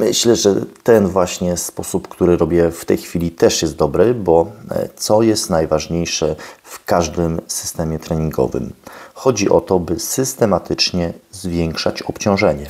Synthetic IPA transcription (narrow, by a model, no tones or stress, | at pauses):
mɘɕlɛʐɛ̰t̪ɛnvwaɕɲɛspɔsupkt̪uɾɘɾɔbʲjɛft̪ɛjxfʲilʲit̪ɛʂjɛst̪̚d̪ɔbɾɘbɔt̪sɔjɛst̪najvaʐɲejʂɛfkaʐd̪ɘmsɘ̥st̪ɛmʲjɛt̪ɾɛɲiŋɡɔ̰vɘ̰mxɔd͡ʑiʔɔt̪ɔbɘsɘst̪ɛmat̪ʰɘt͡ʂɲɛzvʲjɛŋkʂat͡ɕɔpt͡ɕɔ̃w̃ʐɛɲɛ